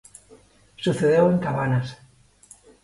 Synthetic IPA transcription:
suθeðewe̞ŋkaβanas

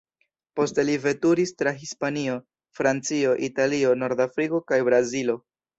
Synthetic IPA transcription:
po̞stelive̞tuɾistɾaɦispanio̞ | fɾant͡sio̞ʔitalio̞no̞ɾdafɾiko̞kajbɾazilo̞

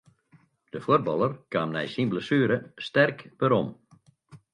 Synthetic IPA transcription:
d̥əfoər̚bɑlˠərkaːmnɛ̰jsinbləsyːɾəstɛrkbəɾom

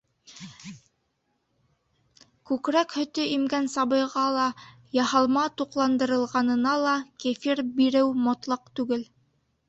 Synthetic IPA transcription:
kʉkɾækhɵ̆t̪ɵʔimɡænsɑβɤ̆jʁɑlˠɑ | jɑhɑlˠmɑt̪uqlˠɑnd̪ɤ̆ɾɤ̆lˠʁɑnɤ̆nɑlˠɑkifiɾbiɾɘwmŏt̪lˠɑqt̪ʉɡɘl

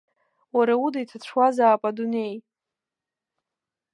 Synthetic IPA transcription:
waɾaudajtʰat͡ɕʷʰwazaːpʼadunej

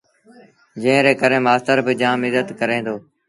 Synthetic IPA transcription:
d͡ʒə̃ɦɪ̃ɾeːkəɾẽːmaːst̪əɾbɪd͡ʒãːmɪzət̪kəɾẽːnd̪oː

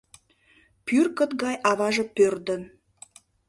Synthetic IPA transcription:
pyrkə̆t̪ɡɑjʔɑβɑʒəpørd̪ə̆n

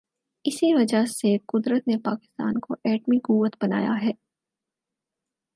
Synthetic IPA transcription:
ɪsiʋɐd͡ʒaseqʊd̪ɾət̪nepaːkɪ̥st̪a̰ːnkoʔɛːʈmiɡʊʋət̪bɐna̰ːja̰ɦɛː

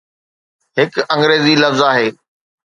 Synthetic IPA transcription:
ɦɪkɐ̃ŋɡɾeːzilɐfzaːɦeː

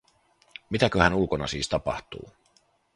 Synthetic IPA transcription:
mit̪ækøhænulkonɑ̰siːst̪ɑpɑ̰ht̪ṵː

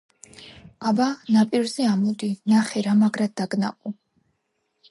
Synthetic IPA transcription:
abanapʼiɾzɛamɔd̪inaχɛɾamaɡɾad̪̚ːaɡna̰qʼu

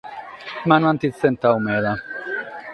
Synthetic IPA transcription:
manwant̪it̪sent̪awmeða

